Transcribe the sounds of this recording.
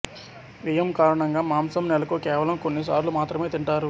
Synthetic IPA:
ʋijɐmkaːɾɐɳɐŋɡaːmaːmsɐmnɛlɐkukɛːʋɐlɐmko̞nːisaːɾlumaːt̪ɾɐme̞ːt̪iɳʈaːɾu

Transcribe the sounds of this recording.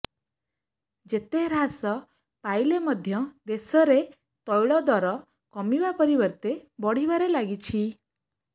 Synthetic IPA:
d͡ʒet̪eɾasɔ | pajlemɔd̪ʱjɔd̪esɔɾe | t̪ɔjɭɔd̪ɔɾɔ | kɔmibapɔɾibɔɾt̪ebɔɽ̤iβaɾelaɡit͡ʃʰi

